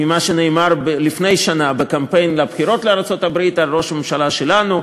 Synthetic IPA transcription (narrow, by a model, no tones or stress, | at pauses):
mimaʃeneːmaʁbelifne̞jʃanabekampe̞jnlabχiɾo̞t̪leaʁat͡so̞tabʁit̪alʁo̞ʃame̞mʃalaʃe̞lanu